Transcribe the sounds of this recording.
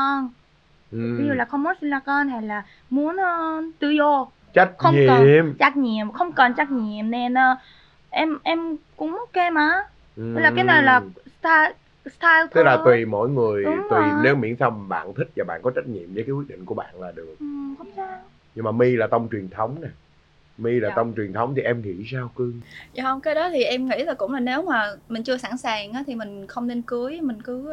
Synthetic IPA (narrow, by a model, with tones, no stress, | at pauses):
ɔ˧˩n | ʔe˧˦zu˨˩laː˨˩xə˧wmːɔ˨˦˥t̚si˧nlaː˧kɔ˧nha˧˩jlaː˨˩ | mu˨˦ənəː˧t̪ɨ̰˧zo˧ | t͡ɕa˦˥k̚xə˧wɲikəmt͡ɕaː˦˥k̚ɲḭ˧˨əmxə˧wŋ͡mkɔ˨˩nt͡ɕaː˦˥k̚ɲi˧˨əmne˨˩nʔəː˧ | ʔɛ˧mʔɛ˧mkʊ̰˧˥ŋ͡mmɔ˨˦˥t̚ke˧mʔaː˨˦ | ʔjlaː˨˩ka˨˦jna˨˩laː˨˩st̪a˧ | st̪ʰaː˧jlt̪ɨ˦˥k̚laː˨t̪wi˨˩mo̰˧˥˨jŋɨ˨˩əjt̪wi˨˩ne˨˦wmḭ˧˥nsaː˧wɓa̰ː˧˨nt̪ʰï˦˥k̚vaː˨˩ɓa̰ː˧˨nkɔ˨˦t͡ɕa˦˥t̚ɲḭ˧˨əmvəː˨˦kaː˨˦kwi˦˥t̚ɗ̰ŋ̟ku˧˩əɓa̰ː˧˨nlaː˨˩ɗɨ˨˩ək̚ʔxa˧˦ŋ͡msaː˨˦ŋ | ɲɨ˧ŋmaː˨˩mi˧laː˨˩t̪ə˧wŋ͡mt͡ɕwi˨˩ənt̪ʰə˨˦wŋ͡mnɛ˨˩ | mi˧laː˨˩t̪ə˧wŋ͡mt͡ɕwi˨˩nt̪ʰə˨˦wŋ͡mt̪ʰi˨˩ʔɛ˧mŋḭ˧˥saː˧wkɨ˧ŋzaː˨˧hə˧wŋ͡mkaː˨˦jɗɔ˨˦t̪ʰi˨˩ʔɛ˧mŋḭ˧˥laː˨˩kʊ̰˧˥ŋ͡mlaː˨˩ne˨˦wmaː˨˩mï˨˩ŋ̟t͡ɕɨ˧əsa˧˩nsaː˨˩ŋʔaː˨˦t̪ʰi˨˩mï˨˩ŋ̟xə˧wŋ͡mne˧nkɨ˨˦əjmï˨˩ŋ̟kɨ˨˦əj